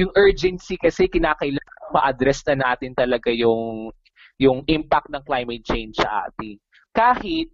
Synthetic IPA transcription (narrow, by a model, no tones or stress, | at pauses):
jʊŋʔɛɹd͡ʒɛnsikɐsɛkɪnaːkɐɪlaɐmɐ̰ʔɐd̪ɾɛsnɐnaːt̪ɪnt̪ɐlɐɡajʊŋ | jʊŋʔɪmpak̚t̪nɐŋklajmɛt̪̚t͡ʃejnsɐ̰ʔa̰ːt̪ɪ | kaːhɪt̪̚